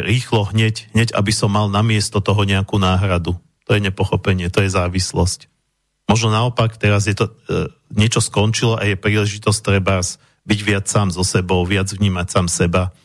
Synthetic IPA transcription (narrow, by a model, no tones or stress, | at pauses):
ɾiːxlɔɦɲɛcɦɲɛɟa̰bisɔmːalnamɪɛst̪ɔt̪ɔɦɔɲɛakuːnaːɦɾad̪u | t̪ɔjɛɲɛpɔxɔpɛɲɪɛt̪ɔjɛzaːʋislɔsc | mɔʒnɔnaɔpakt̪ɛɾazjɛt̪ɔ | ɲɪɛt͡ʃɔskɔnt͡ʃilɔʔajɛpɾiːlɛʒit̪ɔst̪ɾɛbas | biɟʋɪat͡ssaːmzɔsɛbɔʊʋɪad͡zʋɲiːmacsaːmsɛba